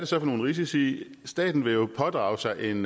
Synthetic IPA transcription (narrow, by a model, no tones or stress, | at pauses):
d̥e̝sɒ̽fɒno̝ːnʁis̬isi | sd̥ɛ̰ːd̥n̩ʋe̝jo̝pʰɒ̽d̥ʁɑ̈ːʊsɑ̈ɪʔe̝n